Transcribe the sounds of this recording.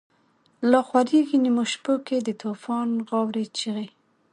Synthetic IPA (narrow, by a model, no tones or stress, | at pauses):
lɑxwaɾiɡinimoʃpoked̪ət̪ʰufɑnɣɑwɾet͡ʃiɣe